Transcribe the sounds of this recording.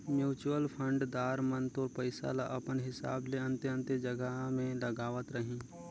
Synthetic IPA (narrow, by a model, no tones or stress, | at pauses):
mjuːt͡ʃuwəlpʰə̃ɳɖd̪aːɾmənt̪oɾpəɪsa̰laʔɐpənɦɪsa̰ːbleɐ̃nt̪eə̃nt̪ed͡ʒɐɡəɦmẽlɐɡaːʋət̪ɾəɦĩː